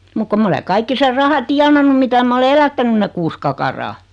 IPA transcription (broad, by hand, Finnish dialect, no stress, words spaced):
muk kom m ole kɑikːi ser rɑhɑ tiɑnɑnːu mitæ mæ ole elætːænyn ne kuːs kɑkɑrɑː